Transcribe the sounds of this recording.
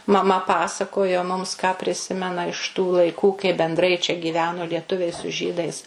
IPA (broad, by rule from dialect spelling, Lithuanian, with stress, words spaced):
mɐˈmɐ ˈpɑːsɐkoːjoː mʊms kɑː pʲrʲɪˈsʲɪmʲɛnɐ ɪʃ tuː lˠɐɪˈkuː kɐɪ bʲɛnˈdrɐɪ t͡ʃʲɛ ɡʲiːˈʋʲæːnoː lʲiɛˈtʊʋʲɛɪ sʊ ˈʒʲiːdɐɪs